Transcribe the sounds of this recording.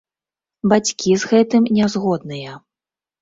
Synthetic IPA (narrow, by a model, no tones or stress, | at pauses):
bat͡sʲkʲizɣɛt̪ɨmnʲɛzɣɔd̪̚nɨjɐ